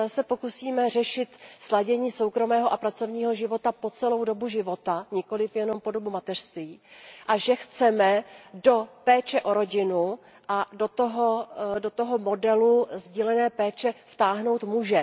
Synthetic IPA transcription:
sɛpo̞kusiːmɛr̝ɛʃɪt̪slaɟɛɲiːso̞wkɾo̞mɛːɦoʔapɾat͡so̞vɲiːɦoʒɪvo̞t̪apo̞t͡sɛlo̞wdo̞buʒɪvo̞t̪aɲɪko̞lɪfjɛno̞mpo̞dobumat̪ɛr̥st̪viːʔaʒɛxt͡sɛmɛdo̞pɛːt͡ʃɛʔo̞ɾo̞ɟɪnu | ʔadot̪oɦodot̪oɦomo̞dɛluzɟiːlɛnɛːpɛːt͡ʃɛft̪aːɦno̞wt̪muʒɛ

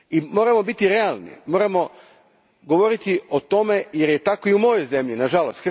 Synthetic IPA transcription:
imo̞ːɾamo̞bit̪iɾe̞alˠnḭmo̞ːɾamo̞ | ɡo̞ʋo̞ɾit̪io̞t̪o̞me̞je̞ɾje̞t̪ako̞iumo̞jo̞jze̞mʎinaʒalost̪k

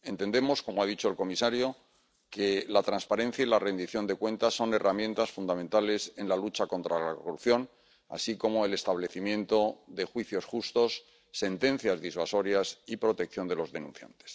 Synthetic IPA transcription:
e̞nt̪e̞nd̪e̞mo̞sko̞moaðit͡ʃo̞e̞lko̞misaɾjo̞ | kelat̪ɾanspaɾẽ̞n̟θjailare̞nd̪iθjo̞nd̪e̞kwẽ̞nt̪asːo̞ne̞ramjent̪asfund̪amẽ̞nt̪ale̞se̞nlalut͡ʃako̞nt̪ɾalakoruθjo̞n | a̰siko̞mo̞e̞le̞st̪aβle̞θimjẽ̞nt̪o̞ðe̞xwiθjo̞sxust̪o̞sː | e̞nt̪e̞n̟θjazðizβaso̞ɾjasipɾo̞t̪e̞k̚θjo̞nd̪e̞lo̞zðe̞nũn̟θja̰nt̪e̥s

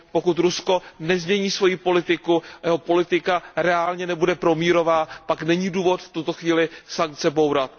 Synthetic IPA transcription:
po̞kut̪ɾusko̞nɛzmɲɛɲiːsvo̞jiːpo̞lɪt̪ɪkuajɛɦo̞po̞lɪt̪ɪkaɾɛaːlɲɛnɛbudɛpɾo̞miːɾo̞vaːpaknɛɲiːduːvo̞t̪ft̪ut̪o̞xviːlɪsaŋk̚t͡sɛbo̞wɾat̪̚

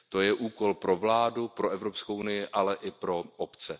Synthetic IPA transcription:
t̪o̞jɛʔuːko̞lpɾo̞vlaːdupɾo̞ɛvɾo̞pskowunɪjɪʔalɛʔɪpɾo̞ʔopt͡sɛ

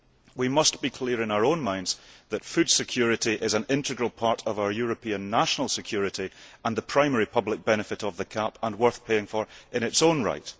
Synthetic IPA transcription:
wimʌsb̥ikʰl̥iəɹɪ̃naʊə˞õnmãɪ̃ndz̥ðətfʉd̥sɪkʰj̥ʉɹɪʔiʔɪzə̃nɪ̃ntɪɡɹəlˠpʰaɹʔəvaʊə˞jʉɹəpʰĩə̃nːaʃənəlˠsɪkʰj̥ʉɹɪʔiə̃nðəpʰɹ̥ãɪ̃mɛɹipʰʌblˠɪk̚b̥ɛñɪfɪʔəvðəkʰapə̃nwɜ˞θpʰeɪ̃ŋfə˞ʔɪ̃ñɪtsõnɹa̰ɪʔ

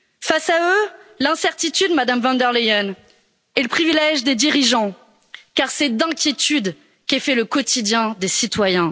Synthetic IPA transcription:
fasaølɛ̃sɛʁt̪it̪yd̪mad̪amvɑ̃nd̪ɛʁleɔn | eləpχivilɛʒd̪ed̪iʁiʒɑ̃ | kaʁsɛd̪ɛ̃kʲjet̪yd̪ | kʲefɛləkɔt̪id̪jɛ̃d̪esit̪wajɛ̃

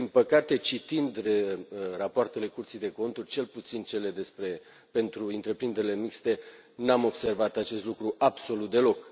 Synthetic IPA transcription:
d̪inpəkat̪e̞t͡ʃit̪ind̪rerapoart̪e̞le̞kurt̪sijd̪e̞ko̞nt̪urʲt͡ʃe̞lput̪sint͡ʃe̞le̞d̪e̞spɾe̞ | pe̞nt̪ɾuɨnt̪ɾe̞pɾind̪eɾile̞mikst̪e̞ | namo̞bse̞rvat̪at͡ʃe̞st̪lukɾuʔabso̞lut̪̚d̪e̞lo̞k

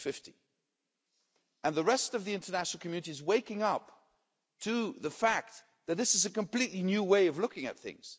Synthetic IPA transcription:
fɪfti | ɨ̃nðəɹɛstʌvðiɪ̃ntə˞næʃn̩l̩ˠkʰmjʉnɨɾiɨzweɪkɪ̃ŋʌp | tʰɨðəfæk̚t̪̚ | ðɨt̪̚ðɪsɨzɨkɨ̃mpl̥itˡlinjʉweɪʌvlʊkɪ̃ŋɨ̰t̪̚θɪ̰̃ŋz̥

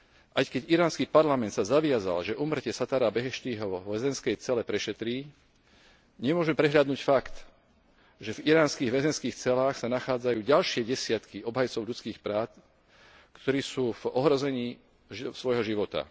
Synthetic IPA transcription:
ʔajkɛɟiɾaːnskiːpaɾlamɛnt̪sazaʋɪaza̰lʒɛʔuːmr̩cɛsat̪aɾabɛɦɛʃt̪iːɦɔʋɛzɛnskɛjt͡sɛlɛpɾɛʃɛt̪ɾiː | ɲɛmʊɔʒmɛpɾɛɦʎad̪nuːcfakt̪ | ʒɛviɾaːnskiːɣʋɛzɛnskiːxt͡sɛlaːxsanaxaːd͡zajuːɟalʃɪɛɟɛsɪat̪kiɔbɦajt͡sɔʊʎut͡skiːxpɾaː | kt̪ɔɾiːsuːvɔɦɾɔzɛɲiː | sʋɔjɦɔʒiʋɔt̪a̰

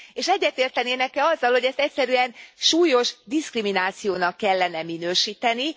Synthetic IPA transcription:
eːʃɛɟːɛt̪eːrt̪ɛneːnɛkɛɒzːɒlhoɟɛst̪ɛc̚ʲsɛɾyɛnʃuːjo̞ʒd̪iskriminaːt̪sijoːnɒkːɛlːɛnɛminøːʃiːt̪ɛni

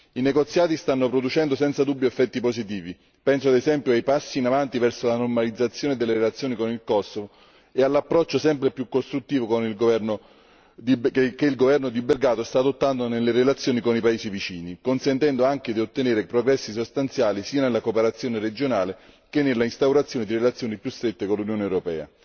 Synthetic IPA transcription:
ineɡot̪sːjaːt̪ist̪anːopɾod̪ut͡ʃɛnd̪osɛnt̪sad̪ubːjoefːɛt̪ːiposit̪̬iːvi | pɛnsoad̪ezɛmpjoajpasːiːnavant̪ivɛrsolanormalid̪zːat̪sːjoːned̪elːeɾelat̪sːjoːnikonilkɔsːovo | ealːapːɾɔt͡ʃːosɛmpɾepjukːost̪ɾut̪ːiːvokonilɡovɛrno | d̪ikeilɡovɛrnod̪iberɡaːt̪ost̪aːd̪ot̪ːand̪onelːeɾelat̪sːjoːnikonipaeːzivit͡ʃiːnikonsent̪ɛnd̪oaŋked̪iot̪ːeneːɾepɾoɡɾɛsːis̬ost̪ant̪sjaːlisiːanelːakopeɾat̪sːjoːnered͡ʒonaːle | k̟enːelːaist̪awɾat̪sːjoːned̪irelat̪sːjoːnipjust̪ɾet̪ːekolːunjoːnewɾopɛːa̰

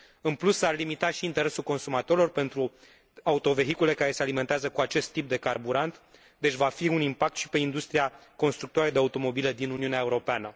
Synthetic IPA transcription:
ɨnplusːarlimit̪aʃiːnt̪e̞ɾe̞sulko̞nsumat̪o̞ɾilo̞rpe̞nt̪ɾu | aut̪o̞ve̞ɦikule̞kaɾe̞sealime̞nt̪eazəkuat͡ʃe̞st̪ːip̚d̪e̞karbuɾant̪ | d̪e̞t͡ʃʲvafiunimpak̚t̪ʃi̥pe̞ind̪ust̪ɾiako̞nst̪ɾukt̪oaɾed̪eaut̪o̞mo̞bile̞d̪inuniuneaeuɾo̞peanə

